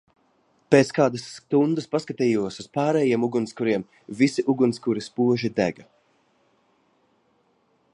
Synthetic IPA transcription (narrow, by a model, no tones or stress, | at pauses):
peːt̪skaːd̪asːt̪und̪ɨspaskat̪iːjuɔsuspaːɾɛːjiɛmuɡunskuɾiɛm | visiʔuɡunskuɾispuɔʒid̪æ̰ɡa